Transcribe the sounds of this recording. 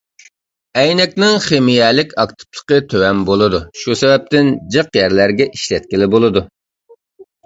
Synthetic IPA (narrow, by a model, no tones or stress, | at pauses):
ɛjnɛk̚ʲnɪŋχemijɛlɪkʲɑkt̪ʰɨ̥plˠə̥qət̪ʰøwɛmbolˠɨd̪uʃusɛbɛp̚t̪ɪnd͡ʒəqjæɾlæɾɡʲɛʔiʃlɛt̪̚kʲɪlɪbolˠɨd̪u